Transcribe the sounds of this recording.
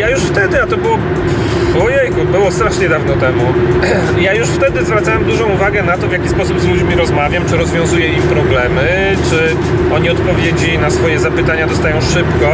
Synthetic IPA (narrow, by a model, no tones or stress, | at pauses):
jajuʂft̪ɛd̪ɘat̪ɔbɘwɔ | ɔjejkubɘwɔst̪ɾaʂɲɛd̪avnɔt̪ɛmu | jajuʂft̪ɛd̪ɘzvɾat̪sawamd̪uʐɔ̃uvaɡɛnat̪ɔvʲjakʲispɔsubzlud͡ʑmʲiɾɔzmavʲjamt͡ʂɘɾɔzvʲjɔ̃w̃zujɛimpɾɔblɛmɘ | t͡ʂɘ | ɔɲiɔt̪pɔvʲjed͡ʑinasfɔjɛzapɘt̪aɲad̪ɔst̪ajɔ̃w̃ʂɘpkɔ